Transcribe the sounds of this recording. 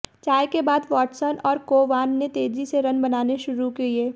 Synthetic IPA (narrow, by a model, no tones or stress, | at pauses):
t͡ʃaːjkebaːd̪ʋɔːʈsənɔːɾkoːʋaːnːet̪eːd͡ʒiseɾɐ̃nbɐnaːneʃʊɾukeieː